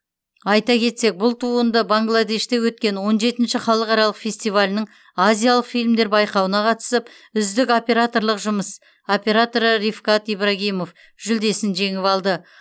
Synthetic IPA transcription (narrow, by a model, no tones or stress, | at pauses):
ɑjt̪ɑkʲʰe̞t̪se̞k̚bʊlˠt̪ʰuənd̪əbaŋɡlˠad̪e̞ʃt̪e̞wɵt̪̚kʲe̞nwo̞nʒe̞t̪ɪnʃɪχɑlˠəqɑɾɑlˠəqfʲe̞sʲt̪ijvalʲɪnəɴ | azʲijalˠəqfijlʲmd̪e̞ɾbɑjqɑwənɑqʰɑt̪ə̥səp | ʏzd̪ɪko̞pʲe̞ɾat̪o̞ɾlˠəqʒʊməs | o̞pʲe̞ɾat̪o̞ɾəɾifkɑt̪ijbɾaɡʲijmo̞f | ʒ̥ʏld̪e̞sɪnʒe̞ŋɪpɑlˠd̪ə